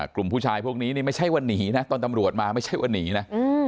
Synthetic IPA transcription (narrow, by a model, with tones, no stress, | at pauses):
klu˨˩mpʰuː˥˩t͡ɕʰaː˧jpʰu˥˩k̚niː˦˥niː˥˩ma˥˩jt͡ɕʰa˦˥˩jwa˧nːiː˩˦˥na˦˥t̪ɔː˧nt̪a˧mɾu˨˩ət̪̚maː˧ma˥˩jt͡ɕʰa˥˩jwa˧nːiː˩˦na˦˥ɯː˧